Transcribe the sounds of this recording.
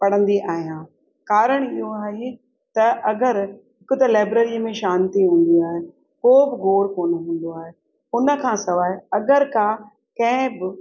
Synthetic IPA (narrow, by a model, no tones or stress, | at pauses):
pɐɽə̃nd̪iʔaːɦijãː | kaːɾəɽ̃ɪɦoaːɦe | t̪ɐʔɐɡəɾɦɪkʊt̪ɐlaːɪbɾəɾimẽʃaːnt̪iɦũːn̆d̪iaːɦe | koːbɪɡʱoːɾkoːnəɦũːn̆d̪oaːɦe | ʊnə̆kʰãːsɐʋaːɦeɐɡəɾkaː | kɐ̃ɦɪ̃bɪ